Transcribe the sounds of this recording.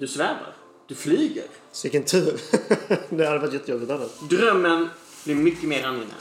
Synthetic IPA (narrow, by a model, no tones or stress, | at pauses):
d̪ɵsvæːva̰ɾ | d̪̥ɵfliːɡə̰ɾ | sɪkənt̪ʰʉ̟ːɾ | d̪ɛhad̪əvat̪jɛt̪ːəjɔbːɪt̪t̪anat̪d̪ɾœmːən | blɪɾmʏkːəmeːɾanjɪnɛ̰